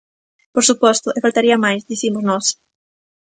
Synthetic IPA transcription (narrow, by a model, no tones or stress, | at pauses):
poɾsupɔst̪ʊʔɪfalt̪aɾiɐmajsd̪iθimʊznɔs